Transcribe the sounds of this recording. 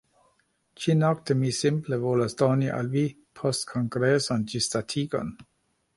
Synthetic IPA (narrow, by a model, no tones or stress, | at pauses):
t͡ʃinɔkt̪əmisɪmpləvoːlasd̪ɔniʔa̰lvi | pʰɔstkʰɔŋɡɾesɔnd͡ʒistatʰikɔ̰n